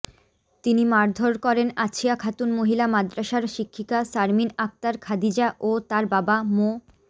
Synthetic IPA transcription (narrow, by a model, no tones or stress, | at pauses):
t̪inimaɾd̪ʱoɾkɔɾenat͡ɕʰiakʰat̪unmoɦilamad̪ɾaʃaɾʃikʰːikasaɾminak̚t̪aɾkʰad̪id͡ʑaʔot̪aɾbabamo